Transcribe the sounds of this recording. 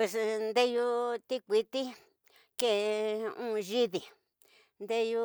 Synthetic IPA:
e˧snd̪e˦ju˧t̪i˦kʷi˧t̪i˦ | ke˦˧ũ˦˧ʒi˦ði˨ | nd̪e˦ju˧

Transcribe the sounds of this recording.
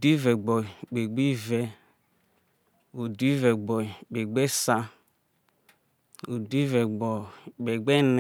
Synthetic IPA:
di˦vɛ˨ɡ͡bɔ˨ɡ͡be˨ɡ͡bi˦vɛ˦ | o˨di˦vɛ˨ɡ͡bɔ˨k͡pe˨ɡ͡be˦sa˦ | o˨di˦vɛ˨ɡ͡bɔ˨ɡ͡be˨ɡ͡be˦n˨

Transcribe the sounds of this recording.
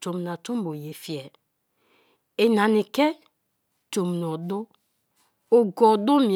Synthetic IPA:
to˨m˨na˨to˦m˦bo˨je˨fi˨ɛ˨ | e˨na˨ni˨kɛ˦ | to˨m˨nɔ˨dʊ˦ | o˨ɡɔ˨do˦mĩ˨

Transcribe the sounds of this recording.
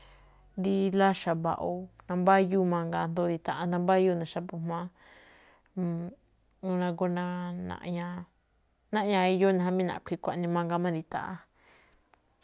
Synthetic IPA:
nd̪i˧la˦ʃa˧βa̰˧ʔo˧nã˧mba˦ju˦mã˧ŋɡa˧nd̪o˧˦ði˧t̪a˨ʔa˧nã˧mba˦ju˦nã˨ʃa˧pu˧mã˦ | u˧nã˧ɡo˧nã˧nã̰˧ʔɲã˧ | nã˦ʔɲã˧i˧jo˦nã˧ɦã˧mĩ˦nã̰˨˧˨kʷi˧kʷa˨˧nĩ˧mã˧ŋɡa˧mã˦d̪i˧t̪a̰˨ʔa̰˦˧

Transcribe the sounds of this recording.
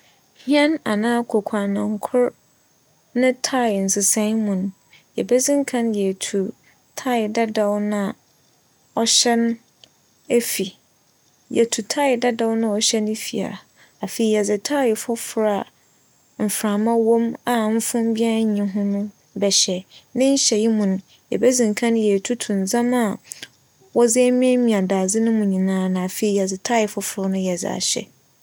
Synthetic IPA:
hĩ˦ɛ̃˦na˨nãː˦kʰɔ˨kʷʰa˨nã˨ŋkʰʊ˦ɾ | nɪ̃˦tʰa˦˨n̩˨sɪ˨sã˦mũ˨nʊ̃˦ | jɛ˨bɛ˦zɪ̃˦ŋ̩˦kʰã˦njɛ˨tʰu˨ | tʰa˦˨da˦da˦wnã˦ | ɔ˨ɕɛ˦n˦ | e˦fi˨ | jɛ˨tʰu˨tʰa˦ɪ˨da˦da˦wnã˦ɔ˨ɕɛ˦nɪ̃˦fi˨a̰˨ | a˨fe˨i˨jɛ˨d͡zɪ˨tʰaː˦jɪ˨fʊ˦fʊ˨˦ɾa˨ | m̩˨fɾã˨mã˦wõ˦ma˨m̩˦fʊ̃˦m˦bi˦a˦ɲĩ˨˦ɦʊ̃˦nʊ̃˦ | bɛ˨ɕɛ˨nɪ̃˦ɲ̩˦ɕɛ˨ji˦mũ˨nʊ̃˦ | jɛ̰˨bɛ˦zĩ˨ŋ˨kʰã˦n˦jɛ˨tʰu˦tʰũ˨n̩˨zã˦ma˨ | wɔ˦d͡zɪ˦ɛ˦mĩ˦ɛ˦mĩ˨a˨daː˨d͡zɪ˦nʊ̃˦mũ˨ɲĩ˨nãː˦nã˨a˨fe˨i˨jɛ˨d͡zɪ˨tʰa˦jɪ˨fʊ˦fʊ˨ɾʊ˦nʊ̃˦jɛ˨d͡zɪ̰˨a̰˨ɕɛ̰˨

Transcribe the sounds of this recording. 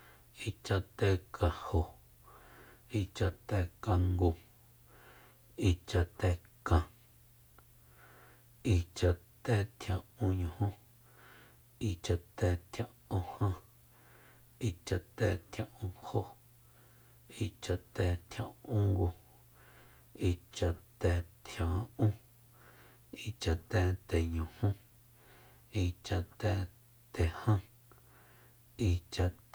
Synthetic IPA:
i˧t͡ʃa˧t̪ɛː˧kʰã˨ho˨ | i˧t͡ʃa˧ʔt̪ɛː˧˨kã˧ŋɡũ˧ | i˧t͡ʃa˧t̪ɛː˧kã˨ | i˧t͡ʃa˧ʔt̪ɛː˧˨t̪ʰjã˧˨ʔũ˧ɲũ˧hõ˦ | i˧t͡ʃa˧t̪ɛː˧˨t̪ʰjã˧˨ʔõ˧hã˦˧ | i˧t͡ʃa˧ʔt̪ɛː˨t̪ʰjã˧˨ʔũː˧ho˦ʔ | i˧t͡ʃa˧ʔt̪ɛː˨t̪ʰjã̰˧˨ʔũ˦ŋɡʷu˧ | i˧˨t͡ʃa˧ʔt̪ɛː˨t̪ʰjã˨˦ũ˦ | i˧t͡ʃa˧ʔt̪ɛː˧t̪ɛ˨ɲũ˨hũ˦ | i˧t͡ʃa˧ʔt̪ɛː˧˨ | t̪ɛ˨hã˦ | i˧˨t͡ʃa˧ʔ

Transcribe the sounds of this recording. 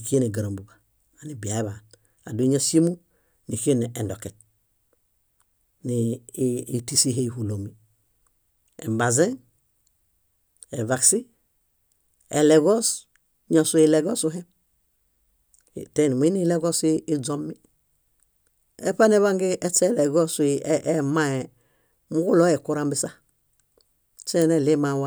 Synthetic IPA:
i˨ki˦e˦ne˨ɡa˨ɾo˨mbu˨ɡa˨ | a˨ni˨bi˨a˨e˦βa˨n | a˨du˨˦ɲa˦si˦mu˦ | ni˨ki˦e˦ne˨ʔe˨ndo˨ke˨t̚ | ni˨i˨ti˦si˦ɦe˦i˨hu˨lo˨mi˨ | ḛ˨mba˨ze˦n | e˨va˨ksi˦ | ɛ̰˨lɛ˨ɡɔ˦s | ɲɔ˨su˨˦i˨lɛ˨ɡɔ˦su˦ɦɛ˦˨ | tɛ˦˨ni˨m˨i˦ni˦lɛ˦ɡɔ˦siː˦d͡zɔ˦mːi˦ | ɛ̰˦pa˦nɛ˦βa˦ŋɡe˦ʔɛ˦t͡sɛ˦˨lɛ˨ɡɔ˦si˨ɛ˦ma˦ɛ˨ | mu˦ɡu˦lɔ˦ɛ˨ku˦ɾa˦mbi˨sa˦ | t͡ʃɛ˦˨nɛ˨le˦ma˨wa˦

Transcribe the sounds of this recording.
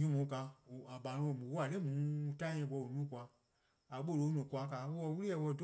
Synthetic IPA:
ɲũ˦mũ˨˦ka˧u˨a˨ba˨˦ũ˧˦ɔ̃˨mũ˨wo˦a˨le˦˨mũː˨˦˧tã˦˧˦ɛ̃˧˨˦ɡ͡bɔ˧˨o˨nũː˦˨kʷa˧ | a˨ɓo˦˨lo˧˦nũ˨kʷa˧˦ka˨˦˧wɔ˧wu˦ɾi˦jɛ˧˨˧wɔ˧˨do˦

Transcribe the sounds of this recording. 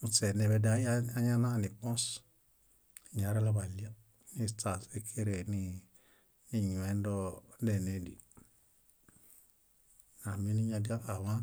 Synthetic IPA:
u˨t͡se˨ne˨be˦da˦ja˦ɲa˦na˦˨ni˨k͡pɔ̃˦s | ɲa˨˦ɾa˦la˦βa˨li˦a˦ | ni˦t͡sa˨se˦kʰe˦ɾe˨ni˦ | ni˨ɲu˨e˦n˦do˦de˨ne˨˦dḭ˨ | na˨mi˦ni˦ɲa˦di˦a˦a˨wa˦

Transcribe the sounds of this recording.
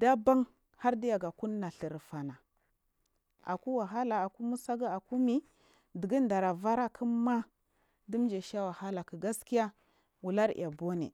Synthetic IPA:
da˦ba˦ŋ | ha˦ɾdi˦ja˨ɡa˨ku˦nːa˨ɬə˨ɾfa˨na˨ | a̰˨ku˦wa˨ɦa˦la˨a˨ku˦mu˦sa˦ɡa˦a˨ku˦mi˦ | di˨ɡi˦nda˨ɾa˨va˦ɾa˦kʰi˦ma˦ | di˦md͡ʒe˨ʃa˦wa˨ha˦la˨ki˨ɡa˦ski˦ja˦ | wu˨la˦ɾḭ˨ʔa˨bo˦nḛ˨

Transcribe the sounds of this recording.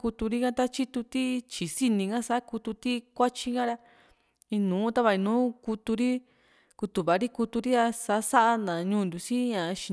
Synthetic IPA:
ku˧t̪u˧ɾi˦kã˦t̪a˦t͡ʃi˦t̪u˧t̪i˦t͡ʃi˨si˧nĩ˧ɡã˦sa˦ʔa˦ku˧t̪u˧t̪i˦kʷa˦t͡ʃi˧ŋã˦ɾa˧ | i˧nũː˨˦t̪a˦βa˧i˧nũː˨˦ku˧t̪u˧ɾi˦ | ku˧t̪u˧βa˨˦ɾi˦ku˧t̪u˧ɾi˦a˧sa˧ʔsa˦ʔa˧nã˨ɲũː˦˧˦nd̪u˨si˦ɲã˨˧ʃi˨˧

